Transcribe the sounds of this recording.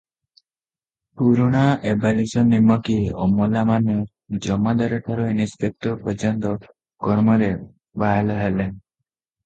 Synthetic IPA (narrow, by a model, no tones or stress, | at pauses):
puɾuɽ̃aebalisɔnimːɔkiomɔlamanɔ | d͡ʒɔmad̪aɾɔʈʰaɾɔinispʰek̚t̪ɔpɔt͡ʃɔnt̪ɔ | kɔɾmɔɾe | baɦelɔɦelen